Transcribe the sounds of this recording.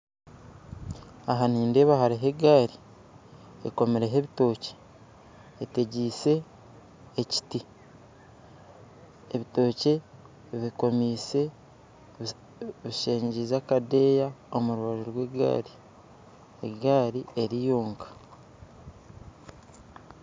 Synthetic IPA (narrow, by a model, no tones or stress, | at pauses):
aɦaniːndeːβahaɾeɦeɡaːɾi | ḛko̞meɾe̞ɦeβito̞ːce̥ː | teɟiːse̞ː | ci̥ti | eβito̞ːce̞ | βiko̞miːse̞ | βiʃe̞ːɲɟizakade̞ːjao̞muɾuβaʒoɾwe̞ːɡa̰ːɾi | ḛɡaːɾieɾijoːŋkḁ